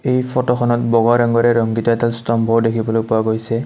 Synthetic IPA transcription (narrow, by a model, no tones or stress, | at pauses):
ejpʰɔtɔxʰɔnɔtbɔɡɔɾaŋɡɔɹɛɹɔŋɡitɔɛtɛlstɔmbʱɔɹdekʰibɔlojpʊwaɡojsɛ